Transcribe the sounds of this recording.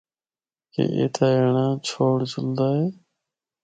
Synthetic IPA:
kḛːʔḛːt̪ʰaːeɳãːt͡ʃʰoːɽt͡ʃʰʊld̪aːɦeː

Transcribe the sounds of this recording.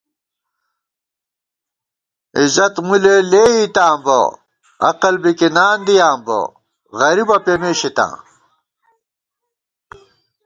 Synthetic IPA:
izɐt̪muleleːit̪aːmbɐ̰ | ɐ̰qɐlbikinaːnd̪ijaːmbo̰ | ɣɐɾibɐpemeːɕit̪ã̰ː

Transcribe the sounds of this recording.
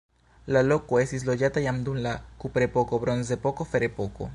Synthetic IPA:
lalokoesizloʝat̪ajamd̪unlakupɾepokoβɾonsd̪epokofeɾepoko̰

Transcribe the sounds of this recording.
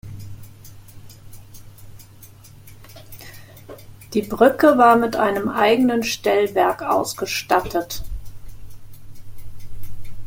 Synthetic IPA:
d̥iːbʁʏkəvaːɐmɪtʔaɪnəmʔaɪɡənənʃtɛlvɛɐkʔa̰ʊsɡ̥əʃtatʰət

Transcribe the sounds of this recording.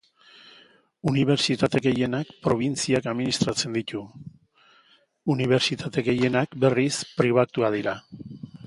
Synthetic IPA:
uniβ̞e̞ɾt͡ʃit̪at̪e̞ɣe̞je̞nakpɾo̞β̞int͡siakaðminist̪ɾat͡se̞nd̪it̪u | uniβ̞e̞ɾt͡ʃit̪at̪e̞ɣe̞je̞nakbe̞rispɾiβ̞at̪uaðiɾa

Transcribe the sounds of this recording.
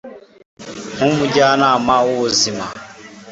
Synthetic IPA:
hũmud͡ʒanamawuzima

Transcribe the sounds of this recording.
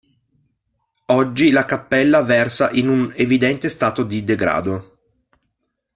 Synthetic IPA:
ɔd͡ʒːilakapːɛlːavɛrsaʔinunevid̪ɛnt̪est̪aːt̪od̪id̪eɡɾa̰ːd̪o

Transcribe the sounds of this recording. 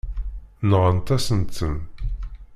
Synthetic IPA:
nəʁənt̪æsənt̪ːən

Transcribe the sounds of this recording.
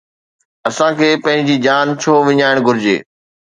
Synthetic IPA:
ɐsãkʰeːpɐ̃ɦɪ̃ɲ̆d͡ʑiːd͡ʑaːnt͡ɕʰoːʋɪɲaːɪɽ̃ɡʱʊɾɪd͡ʑḛː

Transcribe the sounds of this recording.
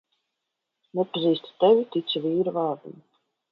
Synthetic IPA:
nɛpaziːst̪ḁt̪ɛvʲit̪it̪sʲiviːɾuvaːɾd̪um

